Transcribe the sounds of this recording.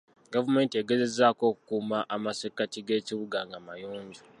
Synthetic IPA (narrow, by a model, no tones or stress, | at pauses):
ɡavume̞ːntieɡeze̞zaːko̞ːkukuːmaʔamasekatiɡe̞ːciβuɡaŋɡamajoːɲzu